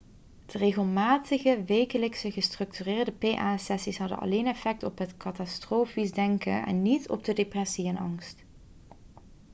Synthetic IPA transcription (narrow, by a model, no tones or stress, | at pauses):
d̥əreɣəlˠmaːtəɣəʋejkələksəɣəstrɵk̚tyrɪːɹdəpeʔaːsɛsisɦɑdə̰nʔɑ̰lejnɛfɛk̚tɔpɦətkɑtɑstroːfisdɛŋkə̰ʔɛ̰nːitʰɔ̰b̚dədeprɛsiɛnɑ̰ŋst